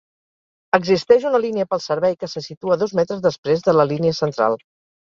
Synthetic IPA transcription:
əɡzist̪ɛʃ̬unəliniəpəlˠsəɾβɛjkəsəsit̪uəðɔzmɛt̪ɾəzðəspɾezðələliniəsənt̪ɾa̰lˠ

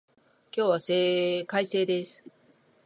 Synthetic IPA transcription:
kʲo̞ːβaseːkaise̞ːd̪esɨ̥

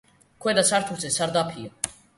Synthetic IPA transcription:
kwɛd̪asaɾt̪ʰut͡sɛsaɾd̪apʰi

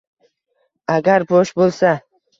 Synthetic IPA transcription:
aɡʲaɾboʃbolˠsa

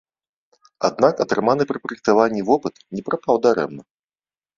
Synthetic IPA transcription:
a̰d̪nakɐt̪ɾɨmanɨpɾɨpɾɐjk̚t̪avanʲːivɔpɨt̪nʲɛpɾapawd̪aɾɛ̰mnɐ

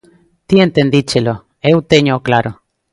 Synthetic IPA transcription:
t̪ient̪end̪it͡ʃelo | eut̪eɲoklaɾo

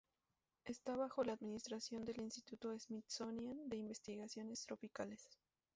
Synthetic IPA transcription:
e̞st̪aβaxo̞laːd̪minist̪ɾasjo̞nd̪e̞linst̪it̪ut̪o̞ezmit̪so̞njand̪e̞imbe̞st̪iɣasjo̞ne̞st̪ɾo̞pikale̞s

